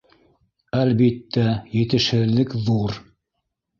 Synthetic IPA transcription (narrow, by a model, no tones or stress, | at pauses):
ælbit̪ːæjɘ̆t̪ɘ̆ʃhɘ̆ðːɘkðuɾ